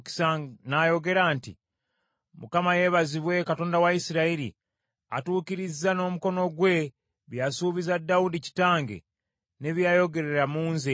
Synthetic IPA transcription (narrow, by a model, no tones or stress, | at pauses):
ki̥sanajo̞ɡe̞ɾaːntḭ | mukamaje̞βaziβwe̞kato̞ːndawaisiɾaiɾḭ | a̰tuːkiɾizano̞muko̞no̞ɡwe̞ | βjasuβizadːaudici̥taːŋɡḛ | ne̞βjajo̞ɡe̞ɾe̞ɾamuːnze